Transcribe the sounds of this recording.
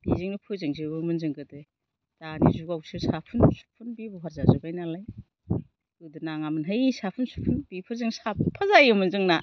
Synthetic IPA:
bizɯŋnipʰɯzɯŋzibɯmɯnzɯŋɡɯde | d̥anḭzuɡawsɯsapʰunsu̥pʰːunbibuɦaɾzazɯbajnalaj | kɯdɯnaŋamɯnɦajisapʰunsu̥pʰunbipʰɯɾzɯŋsapʰpʰazajɯmɯnzɯŋna

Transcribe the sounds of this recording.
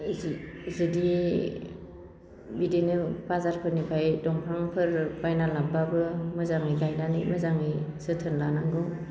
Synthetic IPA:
zɯdi | bidenɯbazaɾpʰɯɾnipʰajdɔŋpʰaŋpʰɯɾbajnalababɯmɯzaŋɯɡajnanimɯzaŋɯjsɯtʰɯnlanaŋɡɯ

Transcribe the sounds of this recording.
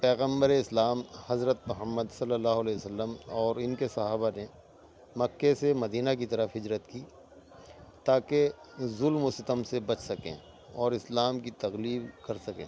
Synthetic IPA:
pɛːɣə̃mbəɾeɪslaːmhɐzɾət̪mʊɦəmːəd̪sɐlːəlːaːɦʊɐlɛːəsəlːəmɔːɾɪnkesɐɦaːbane | mɐkːesemɐd̪iːnak̬it̪ɐɾəfɦɪd͡ʒɾət̪kiː | t̪aːke | zʊlmʊsɪt̪əmsebɐt͡ʃʰsɐkḛ̃ː | ɔːɾɪslaːmkit̪ɐɣliːbkɐɾsɐkḛ̃ː

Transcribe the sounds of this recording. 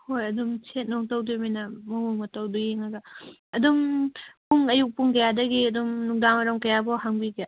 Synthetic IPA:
hojɐdumt͡ʃʰet̚noŋtowdumijnɐmɐɦuŋmɐtɐwduɡeŋɐɡɐɐdumpuŋɐjuk̚puŋkɐjadɐɡiɐdumnuŋ̚daŋɐɾɐŋkɐjabɔɦaŋbiɡe

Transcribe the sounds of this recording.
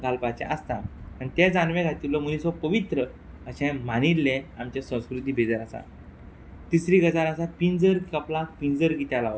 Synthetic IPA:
ɡʱalpat͡ɕɛ̰ʔəst̪aanit̪ɛd͡zanʋɛ̃ɡʱat̪ilɔmunisɔpəʋit̪ɾə | əɕɛ̃manilːɛ̃amt͡ɕɛsə̃w̃skɾut̪iːbʱed͡zəɾasa̰ | t̪isɾiɡəd͡zaɾəsapind͡zəɾkəplak̚pind͡zəɾkit̪jalaʋ

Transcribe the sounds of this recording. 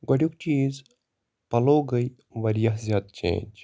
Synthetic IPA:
ɡɐɽʲjuk̚t͡ʃiːz | pɐloːɡɐj | ʋɐɾjaɦzʲjaːd̪̚t͡ʃḛ̃ːnʲd͡ʒ

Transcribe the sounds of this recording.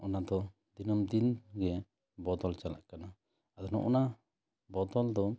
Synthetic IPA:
ʔɔnad̪ɔ | d̪inɔmd̪inɡɛ | bɔt̪ɔlt͡ʃala̰ʔkana | ad̪ɔnɔ̰ʔɔna | bɔt̪ɔld̪ɔ

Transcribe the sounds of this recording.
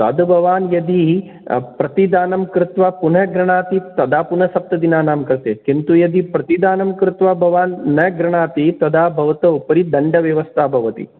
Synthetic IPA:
t̪ɐ̰d̪bʱɐʋaːnjɐd̪i | pɾɐt̪id̪aːnɐmkɾɪt̪ʋɐpunɐɡɾɐɳaːt̪it̪ɐd̪ʱaːpunɐsɐp̚t̪ɐd̪inaːnaːmkɾɪt̪ḛːkint̪ujɐd̪ipɾɐt̪id̪aːnɐmkɾɪt̪ʋɐbʱɐʋaːnnɐɡɾɐɳ̃aːt̪it̪ɐd̪ʱaːbʱɐʋɐt̪ɐupɐɾid̪ɐɳɖɐʋjɐʋɐst̪ʰaːbʱɐʋɐt̪ḭ

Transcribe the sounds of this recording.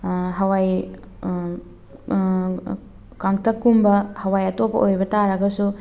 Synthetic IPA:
ɦɐwaj | kaŋtʰɐkːumbɐhɐwajɐtopɐ̰ʔojbɐtaɾɐɡɐsu

